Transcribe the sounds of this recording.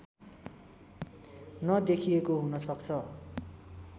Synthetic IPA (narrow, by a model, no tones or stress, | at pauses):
nʌd̪ekʰijekoɦunʌsʌkt͡sʰʌ